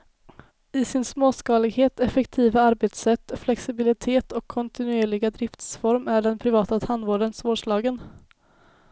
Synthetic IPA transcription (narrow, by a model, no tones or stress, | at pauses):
ɪsɪnsmoːskɑːlɪɡheːt̪ɛfɛkt̪ʰiːvaaɾbeːt̪sɛt̪ːflɛksɪbɪlɪt̪ʰeːt̪ʰɔkʰːɔnt̪ɪnɵeːɭɪɡad̪ɾɪft̪sfɔɾmæɖɛnpʰɾɪvɑːt̪at̪ʰhand̪voːɖənsvoːʂlɑːɡən